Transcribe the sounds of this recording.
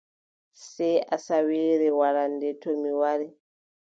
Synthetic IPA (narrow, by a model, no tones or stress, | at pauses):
sɛasaweɾɛwaɾandɛtʰomiwaɾɛ